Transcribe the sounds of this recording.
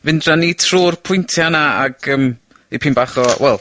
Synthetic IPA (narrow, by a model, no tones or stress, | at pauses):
vɪndranitʰruːrpʰʊjntʰjanaa̰ɡ̥əːm | ipʰinbaːχɔwɛlˠ